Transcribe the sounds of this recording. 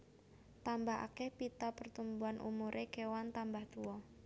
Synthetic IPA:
t̪ambaɦa̰kɛhpit̪apərt̪umbuanʔṵmuɾʔekewant̪ambaht̪uwɔ

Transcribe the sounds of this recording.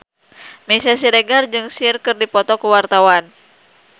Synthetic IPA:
misas̬iɾɛɡard͡ʒɨŋsirkɨrdipɔt̪ɔkuwart̪awan

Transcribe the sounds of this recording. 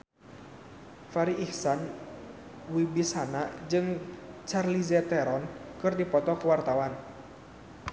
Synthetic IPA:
faɾiʔihsan | wibisanad͡ʒɨŋt͡ʃarlizɛt̪ɛɾɔnkɨrdipɔt̪ɔkəwart̪awan

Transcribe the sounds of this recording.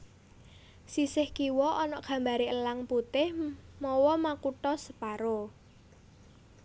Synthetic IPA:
sisɪhkiwɔʔɔnɔʔɡ̥ä̤mbaɾiəlaŋput̪ɪhmɔwɔmakuʈɔsəpaɾo

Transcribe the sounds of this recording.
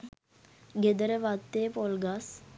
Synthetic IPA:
ɡed̪əɾəʋat̪ːepolɡas

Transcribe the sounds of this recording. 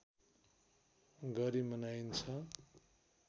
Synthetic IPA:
ɡʌɾimʌnajnt͡sʰʌ

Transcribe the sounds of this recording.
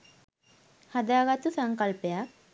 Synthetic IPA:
had̪aːɡat̪usaŋkalpejak̚

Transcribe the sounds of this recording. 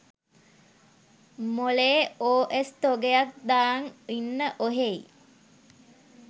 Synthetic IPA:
moleːoːʔest̪oɡejak̚d̪aːŋinːəʔoɦei

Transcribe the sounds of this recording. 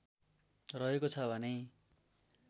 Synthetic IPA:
rʌɦekot͡sʰʌbʱʌne

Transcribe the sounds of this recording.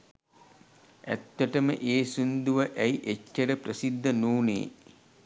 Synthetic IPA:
æ̰t̪ːəʈəməʔeːsund̪uʋəʔæiʔet͡ʃːəɾəprəsid̪ːənuːnḛː

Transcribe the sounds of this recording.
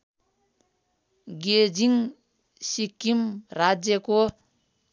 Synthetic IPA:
ɡed͡ʒiŋ | sikːimɾad͡zjʌko

